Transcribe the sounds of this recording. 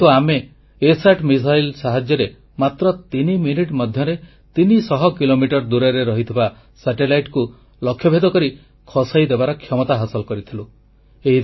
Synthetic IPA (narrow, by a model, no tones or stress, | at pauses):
t̪uameː | saʈmis̬ajlsaɦad͡ʒjɔɾe | mat̪ɾɔt̪iniminiʈmɔd̪ʱjɔɾe | t̪inisɔɦɔkilomiʈɔɾd̪uɾaɾeɾɔɦit̪ʰiba | saʈelajʈku | lɔkʰːjɔbʱed̪ɔkɔɾi | kʰɔsajd̪ebaɾɔkʰjɔmɔt̪aɦɔsɔlɔkɔɾit̪ʰilu | eɦi